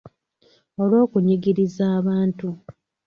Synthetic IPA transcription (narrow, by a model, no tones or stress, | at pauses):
o̞lwo̞ːkuɲiɡiɾizaːβaːntu